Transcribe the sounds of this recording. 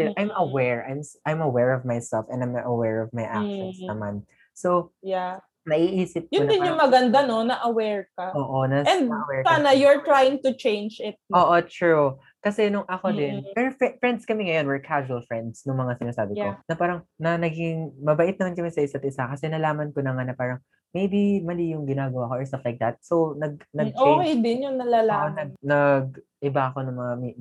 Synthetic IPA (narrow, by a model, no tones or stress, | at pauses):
ɛʔajmɐwɛɹajmsʔajmɐwɛɹɔvmajsɛlfʔɛ̰nd̪ajmʔɐwɛɹɔvmajʔa̰kʃɛsɐman | sowja | nɐʔiːʔiːsɪp̚kjʊond̪ɪnɲʊŋmɐɡɐnd̪anonɐʔɐwɛɹkɐʔoːʔonɐɛnd̪ɐʔɐwɛɹsanɐjʊɹt̪ɾajɪŋt̪ʊt͡ʃẽjnd͡ʒɪt̪̚ʔoːʔot̪ɹu | kɐsɛnʊŋʔɐko̞d̪ɪnpɛɾofɛfɹɛnd̪skɐmɛŋɐjo̞nwɛɹkʰaʒuɐlfɹɛ̃nd̪snʊŋmɐŋasɪnaːsaːbɪkonɐpaːɾɐŋnɐnɐɡɪŋmɐbɐʔɪt̪̚nɐmankɐmɛsɐʔɪsat̪̚ɪsakɐsɛnɐlaːmɐnkonɐŋanɐpaːɾɐŋ | mejbimɐlijʊŋɡɪnaːɡɐwaɐko̞ʔɛɹst̪ɐflajk̚d̪ɐt̪̚so̞wnɐɡ̚nɐɡ̚ʔoːkejd̪ɪnjʊŋnɐlalaʔonɐɡ̚nɐɡ̚ʔɪbaɐko̞nʊŋmɐŋami